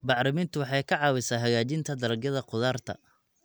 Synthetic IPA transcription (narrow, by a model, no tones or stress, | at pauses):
bɑʕɾɪmint̪ʰʊwɑħɑjkʰɑʕɑːwɪsaːɦɐɣaːt͡ʃɪnt̪ʰɐd̪ɐɾɐɡjɐðɐqʊðaːrt̪ʰɐ̰